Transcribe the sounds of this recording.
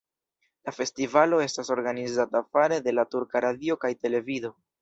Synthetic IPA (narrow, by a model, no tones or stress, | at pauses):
lafe̞stivalo̞e̞staso̞ɾɡanizatafaɾe̞de̞latuɾkaɾadio̞kajte̞le̞vido̞